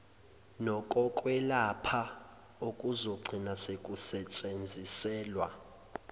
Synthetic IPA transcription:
nɔkʼɔkʼwɛlapʰa | okʼuzɔɡ͡ǀʱinasekʼusɛt͡ʃʼend͡zʱisɛːlwa̰

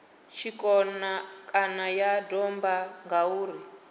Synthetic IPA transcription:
t͡ʃʰikɔnakʼanajadɔmbaŋɡauːɾi

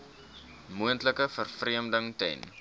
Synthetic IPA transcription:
muəntləkəfərfriəmdəŋtɛ̰jn

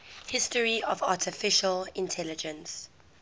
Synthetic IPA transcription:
hɪstəɹiɔvaːˑtʰɪfɪʃəlɪ̃ntʰɛlɪd͡ʒə̃ns

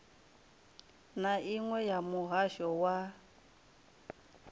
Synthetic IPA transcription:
naʔiŋwɛjamuɦaʃɔwa

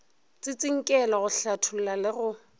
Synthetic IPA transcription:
t͡sʼɪt͡sʼɪŋ̩kʼɛlɔɣʊɬatʰʊl̩lalɪɣʊ

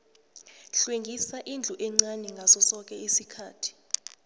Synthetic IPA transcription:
ɬweŋɡʱisaʔind͡ɮʱuʔɛŋ͡ǀanɛŋɡʱazɔsɔk̬ʼɛisikʰaːtʰi̥

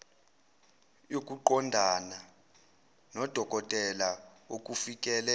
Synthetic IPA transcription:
jok̬ʼuǃɔndʱana | nɔd̥ʱɔkɔtʼɛla | okʼufikʼɛːlɛ

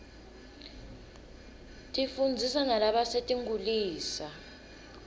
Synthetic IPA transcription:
tʼifund͡zʱisanalaɓasetʼiŋɡuliːsa

